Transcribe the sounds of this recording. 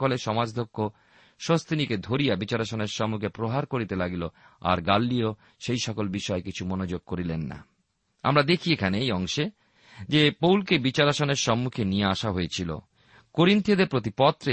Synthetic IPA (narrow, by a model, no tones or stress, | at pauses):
koleʃɔmad͡ʑd̪ʱokʰːo | ʃost̪iniked̪ʱoɾijabit͡ɕaɾaʃoneɾʃɔmːukʰepɾoɦaɾkoɾit̪elaɡiloa̰ɾɡalːio | ʃejʃɔkolbiʃɔekit͡ɕʰumonod͡ʑoɡ̚koɾilenːa̰ | a̰mɾad̪ekʰiekʰaneejɔŋʃe | d͡ʑepowlkebit͡ɕaɾaʃoneɾʃɔmːukʰenijeaʃaɦoet͡ɕʰilo̰ | koɾint̪iod̪eɾpɾot̪̬ipɔt̪ːɾe